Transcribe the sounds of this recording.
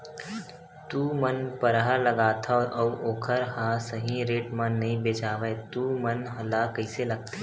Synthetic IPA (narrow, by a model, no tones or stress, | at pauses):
t̪uːmənpɐɾɦalɐɡaːt̪ʰaɔːɾʔɐwoːkʰəɾɦasɐɦĩɾeːʈmãnɐɦĩbeːt͡ʃaːʋejt̪uːmɐnɦɐlakɐɪselɐɡ̚t̪ʰe